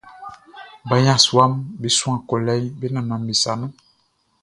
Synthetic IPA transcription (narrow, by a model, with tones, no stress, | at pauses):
ba˨jã˦˨swa˦mbi˨swã˨ko˨lɛ˦jbi˦na˨na˨mbi˨sa˨na˦